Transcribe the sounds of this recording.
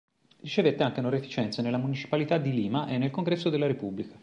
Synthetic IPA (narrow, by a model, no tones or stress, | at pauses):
rit͡ʃevet̪ːeaŋk̟enoɾefit͡ʃɛnt̪sanelːamunit͡ʃi̥palit̪ad̪ːiliːmaʔenːelkoŋɡɾɛsːod̪elːaɾepubːlikḁ